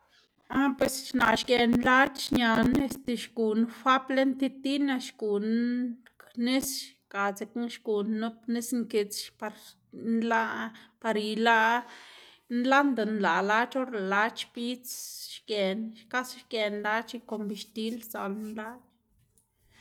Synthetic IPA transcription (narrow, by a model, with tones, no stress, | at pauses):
a˦pwe˧sʃna˨ʃɡe˨nla˦t͡ʃʃɲa˧ne˦st̪e˨ʃɡu˨n˦fa˦ple˦nt̪i˦t̪i˦na˧ʃɡu˨nkne˦sʃka˨t͡se˧kʃɡu˨nːu˦pni˦sŋke˧t͡sʃpa˧ɾ | nla˦pa˧ɾi˧la˦ | nla˦nd̪a˨nla˨la˦t͡ʃo˦ɾa˨la˧t͡ʃbi˦t͡sʃɡe˨nʃka˦sʃɡe˨˧nla˦t͡ʃi˧ko˧mbi˧ʃt̪i˧lsa˨lnla˦t͡ʃ